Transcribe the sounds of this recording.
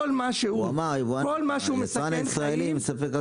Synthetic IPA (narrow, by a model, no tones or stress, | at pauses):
olmaʃeuamaʁivuakolmaʃeumesaannsʁaelimsafeka